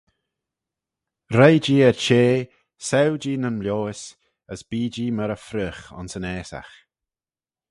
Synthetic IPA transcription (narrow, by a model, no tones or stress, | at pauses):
ɾajd͡ʒiːəɾt͡ʃeː | sɛwd͡ʒiːnənmljoːɪs | əsb̥iːd͡ʒiːməɾəfɾəxɔ̰nsənɛːsa̰x